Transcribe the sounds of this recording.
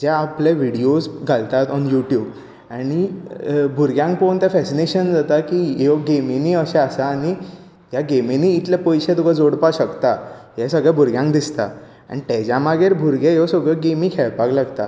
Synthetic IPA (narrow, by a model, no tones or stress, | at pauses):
d͡ʑaːpleʋiɽiosɡʱalt̪at̪ɔnjuʈjuːb | aɽ̃i | bʱuɾɡjãŋkpont̪jafɛsineɕənd͡zat̪akijeɡemeniːəɕɛ̃asaːɽ̃i | jaɡemeniːt̪ljapəjɕet̪ukad͡zoɽpaɕəkt̪a | jɛsəɡɭabʱuɾɡjãŋkd̪ist̪a̰ | a̰ɽ̃it̪ed͡ʑamaɡeɾbʱuɾɡejesəɡɭəɡemiːkʰeɭpaɡlaɡt̪a̰